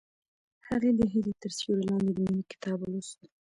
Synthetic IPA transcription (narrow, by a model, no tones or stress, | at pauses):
haɣed̪əɦilet̪əɾsuɾelɑnd̪ed̪əminikɪ̥t̪ɑbulusi